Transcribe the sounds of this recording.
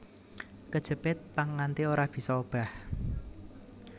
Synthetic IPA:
kəd̥ʒ̥ə̤pɪt̪̚paːant̪ioɾab̥i̤sɔob̥a̤h

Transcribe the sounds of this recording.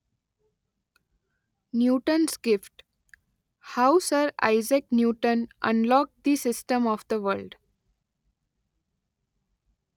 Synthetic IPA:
njuːʈə̃nsɡɪfʈ | haʊsəɾa̰ɪzeknjuːʈə̃nʔə̰̃nlɔːk̚d̪isɪsʈə̃mɔːʋd̪əʋəɾlɖ

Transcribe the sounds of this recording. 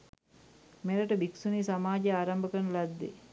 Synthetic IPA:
meɾəʈəbiksuniːsamaːd͡ʒeaːɾambəkənəlad̪ːḛ

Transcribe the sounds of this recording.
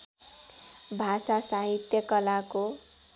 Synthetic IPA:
bʱasasaɦit̪jʌkʌlako

